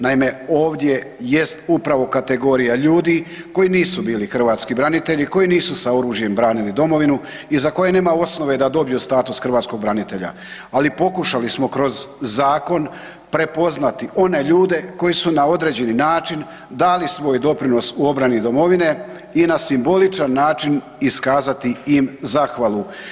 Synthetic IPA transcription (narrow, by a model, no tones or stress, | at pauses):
naime̞o̞ːʋd̪je̞je̞st̪upɾaʋo̞kat̪e̞ɡo̞ːɾijaʎuːd̪i | ko̞iniːsubiːlixr̩ʋaːt̪skibɾanit̪e̞ʎiko̞jiniːsusao̞ɾuːʒje̞mbɾaːnilid̪o̞mo̞ʋinu | izako̞je̞ne̞ːmao̞sno̞ʋed̪ad̪o̞bijust̪aːt̪usxr̩ʋat̪sko̞ɡ̚bɾanit̪e̞ʎa̰ | alipo̞kuʃalismo̞kɾo̞zːaːko̞n | pɾe̞po̞znat̪iʔo̞ne̞ʎuːd̪e̞ko̞jisunao̞d̪ɾe̞ːd͡ʑe̞ninaːt͡ʃin | d̪aːlisʋo̞ːjd̪o̞pɾino̞suo̞bɾanid̪o̞mo̞ʋine̞ | inasimbo̞lit͡ʃanːaːt͡ʃin | iskaːzat̪iimzaxʋalˠu